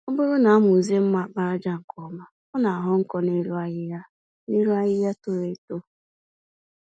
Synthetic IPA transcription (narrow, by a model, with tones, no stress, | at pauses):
ʊ˦bʊ˦ɾʊ˦na˨a˦m˦˨u˨ze˦m̩˦ma˨k͡pa˦ɾa˦d͡ʒa˦ŋ̩˨kɔ˨˦˨ma˦ | ʊ˦na˨a˨ɦʊ˦ŋ̩˦kɔ˦ne˦ɾu˦a˦jɪ˦ja˦ | ne˦ɾu˦a˦jɪ˦ja˦to˦ɾe˦to˦